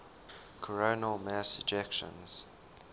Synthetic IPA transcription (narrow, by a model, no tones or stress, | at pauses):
kʰəɹoːnəlˠmæsəd͡ʒɛkʃə̰̃nz̥